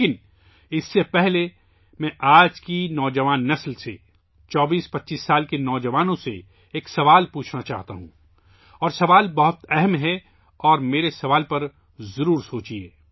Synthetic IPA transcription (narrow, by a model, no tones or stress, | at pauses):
kɪn | ɪsːepɛɦle | mɛ̃ʔaːd͡ʒkinɔːd͡ʒɐʋaːnːɐslse | t͡ʃɔːbiːspɐtːʃiːsːaːlkenɔːd͡ʒɐʋaːnõsḛ | eːksɐʋaːlpuːt͡ʃʰnat͡ʃa̰ːɦt̪a̰ɦũː | ɔːɾsɐʋaːlbɐɦʊt̪ɛɦɛmɦɛ | ɔːɾmeːɾesɐʋaːlpɐɾ | zɐɾuːɾsoːt͡ʃieː